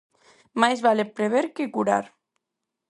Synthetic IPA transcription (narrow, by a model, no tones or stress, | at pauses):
majzβalepɾeβeɾkekuɾa̰ɾ